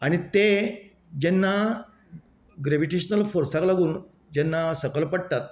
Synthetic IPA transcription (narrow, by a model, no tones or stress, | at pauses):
aɽ̃it̪e | d͡ʑɛnːa | ɡɾeʋiʈeɕnəlfoɾsãklaɡuːn | d͡ʑɛnːasəkəlpəɽt̪at̪̚